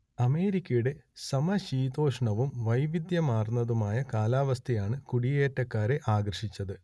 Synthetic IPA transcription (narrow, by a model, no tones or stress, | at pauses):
ɐme̞ːɾikʲːɐjuɽe̞sɐmɐɕiːd̪o̞ːʂɐɳɐʋumʋɐjʋid̪jɐmaːrnːɐðumaːjɐkaːlaːʋɐst̪ʰɐjaːɳɨkuɽijeːtːɐkːaːɾe̞ʔaːɡrɐʂit͡ɕːɐðɨ